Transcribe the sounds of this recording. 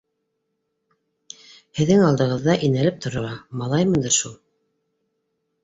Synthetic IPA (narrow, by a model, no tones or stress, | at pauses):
hɘ̆ðːɘŋɑlˠd̪ɤ̆ʁɤ̆ðːɑʔinælɘp̚t̪ʰŏɾŏɑmɑlˠɑjmɤ̆nd̪ɤɾʃulˠ